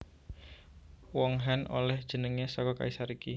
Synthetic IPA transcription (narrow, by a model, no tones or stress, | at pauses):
wɔŋɦanʔo̰lɛhd̥ʒ̥ə̤nəŋesɔkɔka̰isaɾiki